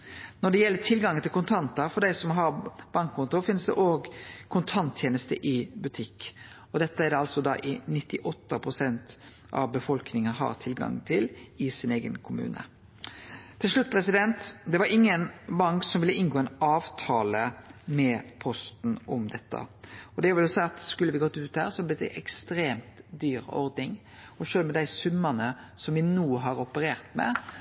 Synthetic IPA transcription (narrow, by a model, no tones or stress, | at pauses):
nɔɖ̪ɛjɛlːət̪ʰɪlɡɑŋənt̪ʰɪlkʊnt̪ʰɑnt̪ɑfɔɖ̪æɪsɔmɦɑɾb̥ɑŋkʰːɔnt̪ʊfɪnsd̪ɛ̰ʔoːɡkʰʊnt̪ʰɑnt̪ʰjeːnəst̪əʔɪbʉt̪ʰɪkː | ɔd̪ɛt̪ːəæd̪ɑlsɔd̪ɑ̰ʔɪnɪt̪ːɪʔɔt̪ːəpʰʁʊsɛnt̪ | ʔɑ̰ʋbəfɔlknɪŋəɦɑ̰ɾt̪ʰɪlɡɑ̰ŋt̪ʰɪlɪsɪneːɡə̰nkʰʊmʉ̰ːnə̰ | t̪ʰɪlʂɭʉt̪̚ːpʰɾɛsɪd̪ɛnt̪d̪ɛʋɑɾɪŋːənbɑŋksɔmʋɪlːəɪnɡoːɛɪnɑːʋt̪ʰɑːləmɛpʰɔst̪n̩ʔɔmd̪ɛt̪ːə̰ɔd̪ɛʊʋɛlsæɪɑt̪skʉlːəʋɪɡɔt̪ːʉːt̪̚hæ̰ːɾsɔblɪt̪ːʔɛkst̪ɾeːmt̪d̪yːɾɔ̰ɾd̪nɪŋ | ɔʃøːlmɛd̪æɪsʉmːənəsɔmʋɪnuːɦɑɾɔpəɾeːʁt̪mɛ̰